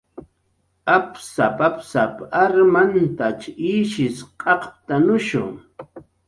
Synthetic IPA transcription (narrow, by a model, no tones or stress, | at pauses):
apsapapsapaɾmant̪at͡ʃiːʃɪsqʼɑqt̪anʊʃʊ̰